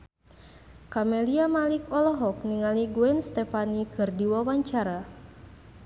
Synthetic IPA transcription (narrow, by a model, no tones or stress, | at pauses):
kamɛliamalikɔlɔɦɔk̚niŋaliɡuɛnst̪ɛfanikɨrdiwawaɲt͡ʃaɾa